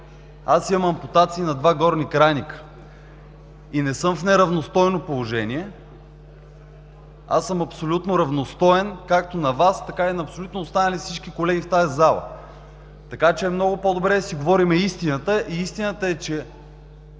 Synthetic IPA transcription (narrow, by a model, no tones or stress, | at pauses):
asimɐmɐmpot̪at̪siːnɐd̪vaɡɔɾnikɾanikə̥ | inɛsɤmfnɛɾɐvnost̪ɔjnopolˠoʒɛnʲiɛ | a̰sːɤmɐpsolʲut̪noɾɐvnost̪ɔɛnkak̚t̪onɐvast̪ɐkainɐɐpsolʲut̪noːst̪anəlifsit͡ʃkikolɛɡʲift̪ajɐzalˠə̰ | t̪ɐkat͡ʃɛːmnɔɡʊpod̪obɾɛd̪ɐsiɡovɔɾimɛist̪inət̪əʔiist̪inət̪əɛt͡ʃɛ